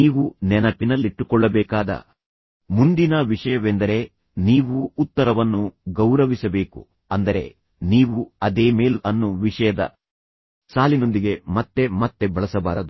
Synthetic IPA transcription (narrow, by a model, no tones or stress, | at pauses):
niːʋunɛnɐpinɐlːiʈːukɔɭːɐbɛːkaːd̪ɐ̰ | mund̪inɐʋiʂɐjɐʋend̪ɐɾe̞ | niːʋuːt̪ːɐɾɐʋɐnːuɡɐwɾɐʋisɐbe̞ːkṵ | ɐnd̪ɐɾe̞̰ | niːʋuɐd̪eːmeːlɐnːuʋiʂɐjɐd̪ɐ̰ | saːlino̞nd̪iɡe̞mɐt̪ːe̞mɐt̪ːe̞bɐɭɐsɐba̰ːɾɐd̪u